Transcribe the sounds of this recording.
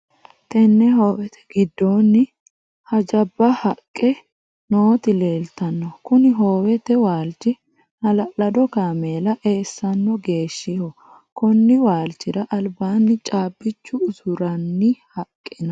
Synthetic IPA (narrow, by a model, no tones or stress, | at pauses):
t̪ɛnːɛɦo̞ːwɛt̪ʰɛ̥ɡɪd̪ːoːnːɪ | hɐd͡ʒɐbːɐhɐkʼːɛ | noːt̪ɪleːlt̪ɐnːɔkʊnɪɦoːwɛt̪ɛwaːlt͡ʃːɪ | nɐlɐlɐd̪ɔkaːmeːlɐʔeːsːɐnːɔɡe̞ːʃːɪhɔ | kɔnːɪwaːlt͡ʃːɪɾɐʔɐlbaːnːɪt͡ʃʼaːbːɪt͡ʃːʊːsʊɾɐnːɪhɐkʼːɪnɐ